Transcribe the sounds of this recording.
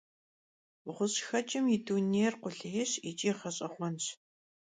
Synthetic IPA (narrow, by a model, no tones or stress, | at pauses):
ʊχʷʊɕxɐt͡ʃʼɪmjiduːneːrqʷʊɮɦɪɕit͡ʃʼiːχɐɕʼɐχʷɔnɕ